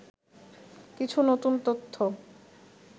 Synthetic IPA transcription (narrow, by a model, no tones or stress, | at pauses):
kit͡ɕʰunot̪unt̪ot̪ʰːo